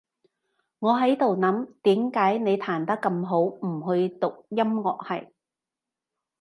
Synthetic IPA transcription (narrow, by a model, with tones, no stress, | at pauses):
ŋɔː˨˧ɦɐ˨˥jt̪o˨wnɐ˨˥mt̪iː˨˥mkaː˨˥jne˨˧jt̪ʰaː˨˩nt̪ɐ˥kːɐ˧mɦo˨˥wm̩˨˩ɦɵ˧ɥt̪ʊ˨k̚jɐ˥mŋɔː˨˩k̚hɐ̰˨˩j